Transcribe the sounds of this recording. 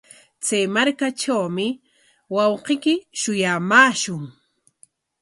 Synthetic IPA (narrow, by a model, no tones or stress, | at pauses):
t͡sajmaɾkaʈ͡ʂawmɪ | wɑwqekɪʃʊjamaːʃʊŋ